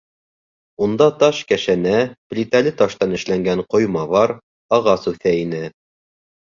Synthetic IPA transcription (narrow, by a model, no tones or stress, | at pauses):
und̪ɑt̪ɑʃkæʃænæplʲit̪ælɘt̪ɑʃt̪ɑnɘ̆ʃlæŋɡæɴqŏjmɑβɑɾ | ɑʁɑsʉθæinɘ